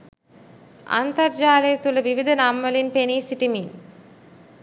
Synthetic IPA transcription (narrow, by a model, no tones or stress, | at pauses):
ɐ̰nt̪ɐɾd͡ʒaːlɐjɐt̪ulɐʋiʋid̪ʱɐnaːmːɐlinpeniːsiʈimin